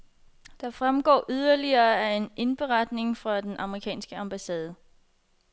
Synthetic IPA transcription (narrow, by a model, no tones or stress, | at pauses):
d̥ɑ̈fʁamɡ̥ɒ̰ːʔyð̞ˠɐliɐːæe̝ne̝nb̥e̝ʁɑd̥ne̝ŋfʁɑ̈d̥enʔɑ̈məʁikʰɛ̰ːnsɡ̥əɑ̈mb̥æsɛːð̞ˠə